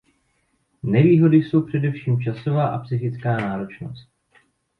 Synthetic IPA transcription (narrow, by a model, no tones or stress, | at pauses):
nɛviːɦo̞dɪso̞wpr̝̥ɛdɛfʃiːmt͡ʃaso̞vaːʔapsɪxɪt͡skaːnaːɾo̞t͡ʃno̞̰st̪̚